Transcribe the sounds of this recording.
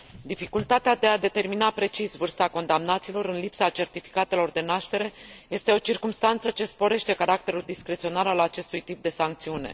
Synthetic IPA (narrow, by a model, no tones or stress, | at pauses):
d̪ifikult̪at̪ead̪e̞ad̪e̞t̪e̞rminapɾe̞t͡ʃisvɨrst̪ako̞nd̪amnat̪silo̞ɾɨnlipsat͡ʃe̞rt̪ifi̥kat̪e̞lo̞rd̪e̞naʃt̪e̞ɾe̞je̞st̪eo̞t͡ʃirkumst̪ant̪sət͡ʃe̞spo̞ɾe̞ʃt̪e̞kaɾak̚t̪e̞ɾuld̪iskɾe̞t̪sio̞nalalat͡ʃe̞st̪ujt̪ip̚d̪e̞saŋk̚t̪siune̞̰